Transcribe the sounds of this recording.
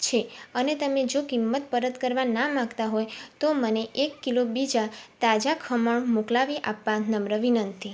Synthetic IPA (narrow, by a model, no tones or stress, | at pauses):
t͡ʃʰeənet̪əmed͡ʒokimːət̪̚pəɾət̪kəɾʋanamãɡt̪aɦojt̪oməneʔekːilobid͡ʒat̪ad͡ʒakʰəməɳmuklaʋiʔapːãnəmɾəʋinənt̪i